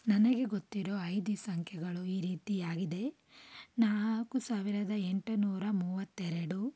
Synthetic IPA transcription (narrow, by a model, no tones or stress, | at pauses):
nɐnɐɡe̞ɡot̪ːiɾoːɐjd̪isɐŋkʰjɛɡɐɭuiːɾiːt̪iaːɡid̪e̞ | naːɭkusaːʋiɾɐd̪ɐeɳʈunuːɾɐmuːʋɐt̪ːɛɾɐɽu